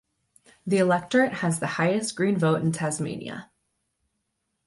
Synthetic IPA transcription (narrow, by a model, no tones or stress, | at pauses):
ðiɨlɛk̚tə˞ɨʔ̚hɨzðɨhaɪɨstɡ̥ɹĩnvoʊɾ̃n̩tʰæzmḛ̃ɪ̃nḭɨ̰